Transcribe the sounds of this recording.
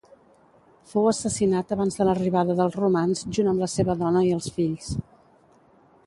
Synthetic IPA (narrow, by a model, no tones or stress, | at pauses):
fowəsəsinat̪əβanzðələriβaðəðəlˠzrumanzʒunəmləseβəðɔnəiəlˠsfiʎs